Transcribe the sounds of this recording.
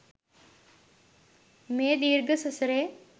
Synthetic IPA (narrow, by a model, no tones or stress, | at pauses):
meːd̪iːɾɡəsɐsɾeː